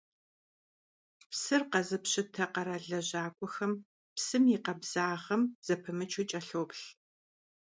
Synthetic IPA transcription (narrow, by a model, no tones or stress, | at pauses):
psɨrqɐzɨpɕɪtʰɐqɐɾaːɮɐʑaːkʷʼɔxɐm | psɨmjiqɐbz̥aːʁɐmz̥ɐpʰɨmɨt͡ʃʰut͡ʃʼɐɬoːpɬ